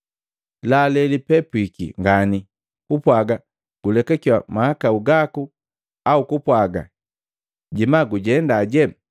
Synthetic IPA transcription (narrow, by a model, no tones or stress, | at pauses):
lalɛlipɛpwikḭŋɡani | kupwaɡa | ɡ̥ulɛkakiwamahakauɡaku | aukupwaɡa̰ | ɟimaɡuɟɛndaɟɛ